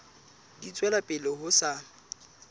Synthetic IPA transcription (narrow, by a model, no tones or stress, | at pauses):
dit͡sʼwɛlapʼɪlɪhʊsa